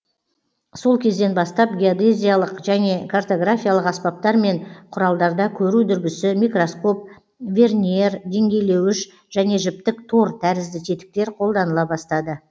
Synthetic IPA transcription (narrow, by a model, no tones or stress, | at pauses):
so̞lˠkʲʰe̞zd̪e̞nbɑst̪ɑp̚ɡʲiod̪ezʲijalˠəqʒæne̞kʰart̪o̞ɡrafʲijalˠəqɑspɑp̚t̪ɑɾme̞ɴqʰʊɾɑlˠd̪ɑɾd̪ɑkʲʰɵɾud̪ʏɾbʲɪsɪmijkro̞sko̞p̚ | vʲe̞rnʲie̞rd̪e̞ŋɡʲe̞jle̞wɪʃ | ʒ̥æne̞ʒɪp̚t̪ɪkt̪ʰo̞ɾt̪ʰæɾɪzd̪ɪt̪ʰet̪ɪ̥k̚t̪e̞ɾqʰo̞lˠd̪ɑnəlˠɑbɑst̪ɑd̪ə